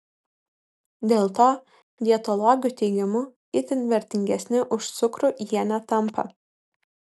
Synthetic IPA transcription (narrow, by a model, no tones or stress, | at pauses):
d̪ʲeːlˠt̪oː | d̪ʲiɛt̪olˠɔɡʲjʊt̪ʲɛɪɡʲɪmʊ | ɪt̪ʲɪnʋʲɛɾʲt̪ʲɪŋʲɡʲɛsʲnʲɪʔʊʃt̪sʊkɾʊʔjɛnʲæt̪ɐmpɐ̰